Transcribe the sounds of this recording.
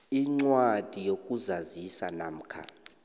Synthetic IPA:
iŋ͡ǀwad̥ʱijok̬ʼuzazisanam̩kʰa̰

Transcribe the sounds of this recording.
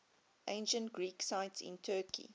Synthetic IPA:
ʔẽɪ̃nʃə̃ntɡ̥ɹiːksaɪtsɪ̰̃ntʰɜːkʰḭ

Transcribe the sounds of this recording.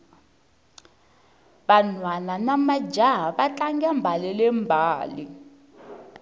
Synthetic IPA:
ɓanwananamad͡ʒʱaɦaɓat͡ɬʼaŋɡɛmbʱalɛlɛmbʱaːli

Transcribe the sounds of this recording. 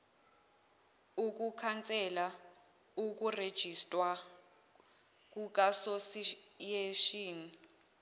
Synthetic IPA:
uk̬ukʰant͡sʼɛla | uk̬ured̥ʒ̥ʱistʼwa | k̬ʼuk̬ʼasosjeʃiːni

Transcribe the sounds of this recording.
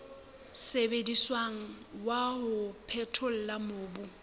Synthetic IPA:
sebediswaŋ̩ | waɦʊpʰɛtʰʊl̩lamoːbʊ

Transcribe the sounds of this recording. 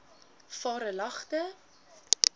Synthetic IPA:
fɑːɾəlɐχtə

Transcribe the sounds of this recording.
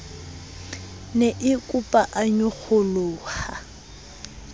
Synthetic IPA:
neʔɪkʼʊpʼaʔaɲʊk͡xʰʊlʊːha

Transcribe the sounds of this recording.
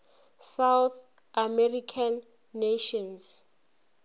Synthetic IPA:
sawθ | amɛrikʰanː | eʃɔns

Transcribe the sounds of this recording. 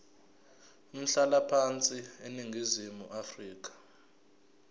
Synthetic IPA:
um̩ɬalapʰant͡sʼieniŋɡʱizimuʔafriːk̬ḁ

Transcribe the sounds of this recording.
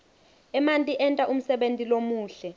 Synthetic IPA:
ɛmantʼiʔɛntʼaʔum̩sɛɓentʼilomuːɬɛ

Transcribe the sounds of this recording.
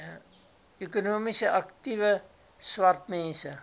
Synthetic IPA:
økonoːmisəʔaktivə | swartmɛnsə

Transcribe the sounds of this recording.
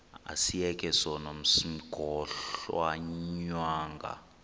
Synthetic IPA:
a̰sijɛkʼɛsɔnom̩sim̩ɡ̥ʱɔɬwaɲwaːŋɡʱa̰

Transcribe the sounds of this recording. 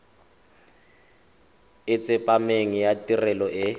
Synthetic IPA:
ɪt͡sʼɪpʼameŋijatʼirɛlɔʔɪ

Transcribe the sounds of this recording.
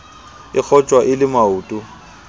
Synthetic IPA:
ɪk͡xʰɔt͡ʃʼwaʔɪlɪmauːtʼʊ

